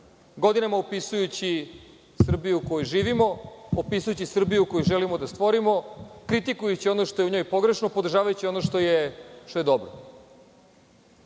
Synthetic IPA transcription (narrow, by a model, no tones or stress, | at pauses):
ɡo̞d̪inamaopisujut͡ɕi | sr̩bijuːkojujʒiːʋimo̞opisujut͡ɕisr̩bijukojuʒelimo̞d̪ast̪ʋo̞ɾimo̞kɾit̪ikujut͡ɕio̞noʃt̪oeuɲo̞jpo̞ɡɾe̞ʃnopo̞d̪r̩ʒaːʋajut͡ɕio̞noʃt̪o̞jeʃt̪ojed̪o̞bɾo̰